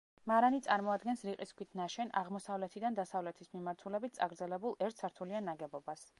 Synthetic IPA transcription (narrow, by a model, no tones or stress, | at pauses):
maɾanit̪sʼaɾmɔad̪ɡɛnsɾiqʼiskʰwit̪ʰnaʃɛna̰ʁmɔsavlɛt̪ʰid̪and̪asavlɛt̪ʰismimaɾt̪ʰulɛbit̪̚tsʼa̰ɡɾd̪zɛlɛbulˠɛɾt̪ʰsaɾt̪ʰulianaɡɛbɔbas